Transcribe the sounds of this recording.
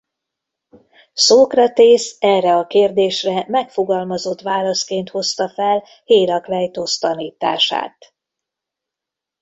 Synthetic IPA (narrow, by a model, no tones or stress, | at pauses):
soːkrɒt̪eːsɛrːɛɒkeːrd̪eːʃrɛmɛkfo̞ɡɒlmɒzo̞t̪ːʋaːlɒskeːnt̪ho̞st̪ɒfɛl | heːɾɒklɛjt̪ost̪ɒniːt̪a̰ːʃa̰ːt̪